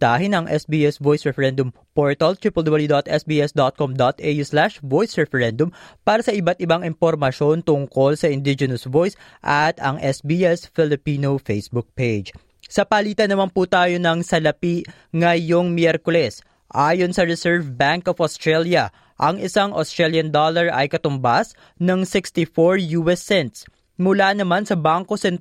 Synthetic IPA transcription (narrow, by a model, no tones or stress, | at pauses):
t̪aːɦɪnɐŋʔɛsbiːʔɛsvojsɹɛfɛɾɛnd̪ʊm | poɹt̪ɐlt̪ɾipɛld̪obɐljud̪ot̪ʔɛsbiːʔɛsd̪ot̪̚komd̪ot̪ʔejuslaʃvojsɹɛfɛɹɛnd̪ʊmpaːɾɐsɐʔɪbat̪̚ʔɪbaŋɪmpoɾmɐʃo̞nt̪ʊŋko̞lsɐʔɪnd̪ɪd͡ʒɛnɐsvojs | ʔɐt̪ɐ̰ŋʔɛsbiːʔɛsfɪlɪpiːnofejsbuk̚pejd͡ʒ | sɐpɐliːt̪ɐnɐmanpuːt̪aːjo̞nɐŋsɐlɐpi | ŋɐjo̞ŋmjɛɾkolɛs | ʔaːjo̞nsɐɹɛsɛɹvbaŋkofost̪ɹɛljɐ | ʔɐŋɪsaŋʔost̪ɾɹɛljɐnd̪olɐɹʔɐ̰jkɐt̪ʊmbas | nɐŋsɪkst̪ifoɹjuːɛsːɛnt̪̚s | mʊlanɐmansɐbaŋko̞sɛnt̪